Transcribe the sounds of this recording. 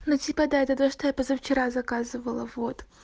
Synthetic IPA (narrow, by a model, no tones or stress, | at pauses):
notʲipəd̪aɛt̪ət̪oʂt̪ojapozaft͡ɕɪɾazɐkazɨvəlˠəvot̪